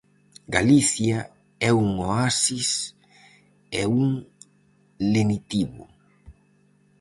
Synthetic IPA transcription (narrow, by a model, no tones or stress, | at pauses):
ɡaliθja | ɛuŋoasis | ɛuŋ | lenit̪iβʊ̰